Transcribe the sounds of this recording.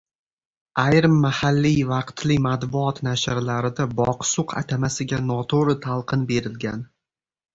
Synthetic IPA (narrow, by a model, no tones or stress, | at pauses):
ajɾmːahalːivɑqt̪ʰlɪmat̪bʊɒt̪naʃɾlaɾɪd̪abɒqsʊqʰa̰t̪ʰamasɪɡʲanɒt̪ʰoɾɪt̪ʰalˠqʰɨnbe̞ɾɪlɡʲan